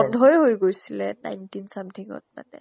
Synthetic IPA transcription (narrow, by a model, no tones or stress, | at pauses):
ɔndʱɔjɦojɡojsilɛna̰jntinsamtʰiŋɔ̰t̚ma̰nɛ